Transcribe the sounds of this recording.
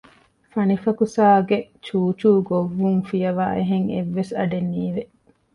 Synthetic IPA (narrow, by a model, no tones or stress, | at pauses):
fɐnifɐkusaːɡe | t͡ʃuːt͡ʃuːɡoʋːuŋfijɐʋa̰ːʔeɦeŋḛʋːesɐɖenːiːʋe